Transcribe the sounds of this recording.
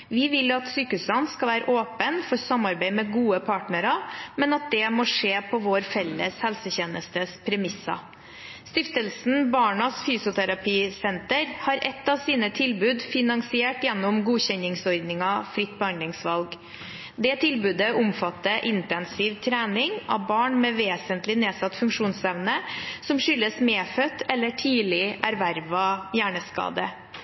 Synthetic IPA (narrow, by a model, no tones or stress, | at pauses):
ʋɪʋɪlɑt̪syːkʉsənskɑʋæːɾə̰ʔoːpənfɔɾsɑmɑɾbæɪmɛɡuːəpʰɑːʈɳəɾɑmɛnɑt̪̚d̪ɛmoːʂeːpʰɔʋoːɾfɛlːə̰shɛlsəçɛːnəst̪əspʰɾɛmɪsɑ̰ | st̪ɪft̪əlsn̩bɑːɳɑsfyːsʊt̪ʰæɾɑpiːsɛnt̪əɾhɑɾʔɛt̪ːɑʋsiːnət̪ʰɪlbʉːd̪fɪnɑŋsɪeːʈjɛnːʊmɡuːɕɛnɪŋsɔɾd̪nɪŋɑfɾɪt̪ːbəhɑnd̪lɪŋsʋɑlɡ | d̪ɛːt̪ʰɪlbʉːd̪əʔʊmfɑt̪ːəʔɪnt̪ɛnsiːʋt̪ʰɾæːnɪŋɑ̰ʋbɑːɳmɛʋeːsənt̪lɪneːsɑt̪ːfʉŋkʂuːnsɛʋnəsɔmʂʏlːəsmeːfœt̪ːɛlːəʈʰiːlɪʔæɾʋæɾʋɑjæːɳəskɑ̰ːd̪ə